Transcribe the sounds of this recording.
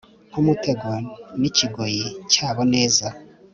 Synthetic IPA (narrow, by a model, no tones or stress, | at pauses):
ŋ̥humute̞ɡoniciɡo̞jicaːβone̞ːza